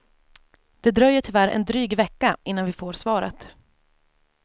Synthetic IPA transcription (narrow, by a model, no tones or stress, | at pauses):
d̪̥ɛd̪ɾœjːəʈʰʏvæɾɛ̰nd̪ɾyːɡvɛkːaʔɪnːanvɪfoːɾsvɑːɾə̰t̪